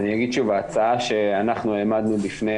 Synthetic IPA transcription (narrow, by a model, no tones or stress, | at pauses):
nijaɡid̪ʃuvaːt͡saaʃe̞anaχnuelmad̪nulifne